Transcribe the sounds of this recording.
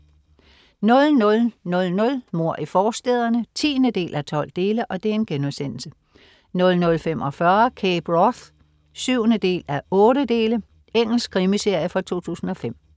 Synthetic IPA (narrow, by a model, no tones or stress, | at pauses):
nɔ̽lnɔ̽lnɔ̽lnɔ̽lmo̝ɐ̰ʔifɒːsd̥eːðˠɐnət͡sʰḭːnəd̥e̝̰ːlʔæt͡sʰɒ̽l̰d̥e̝ːləʔɒ̽d̥e̝æɐe̝nɡ̥enɒsen̰l̩sə | nɔ̽lnɔ̽lfem̰ʔɒ̽fɶɐkʰeb̥ʁɒθ | syʊ̰nəd̥e̝̰ːlæɐɔ̽ːɾəd̥e̝ːlə | eŋ̰l̩sɡ̥kʰʁimise̝ɐ̰jəfɒt͡sʰo̝̰ːt͡sʰṵːsn̩ɒ̽fem̰